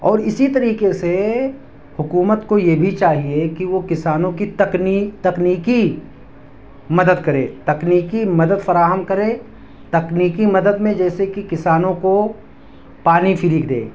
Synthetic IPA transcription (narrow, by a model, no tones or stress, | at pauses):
ɔːɾɪsit̪ɐɾiːkese | hʊkuːmət̪kojebʱit͡ʃaːɦiekiʋokɪsaːnõkit̪ɐknit̪ɐkniːki | mɐd̪əd̪kɐɾḛ̃ːt̪ɐkniːkimɐd̪əd̪fɐɾaːɦəmkɐɾẽː | t̪ɐkniːkimɐd̪əd̪mẽd͡ʒɛːsekikɪsaːnõko | paːnifɪɾiːkd̪ḛ̃ː